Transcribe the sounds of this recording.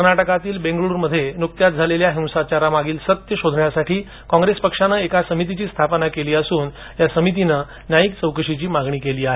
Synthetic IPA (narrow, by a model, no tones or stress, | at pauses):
əɾnaʈəkat̪iːlbẽŋɡɭuːɾməd̪ʱːjenuk̚t̪jat̪̚d͡zʱaleljaɦĩw̃sat͡ɕaɾamaɡiːlsət̪jəɕod̪ʱɳjasaʈiː | kɔ̃ŋɡɾespəkʂanəekasəmit̪it͡ɕiːst̪ʰapnakeliːəsuːn | jasəmit̪̬inə | najikt͡səwkəɾʂit͡ɕiːmaɡɳiːkeliːaɦe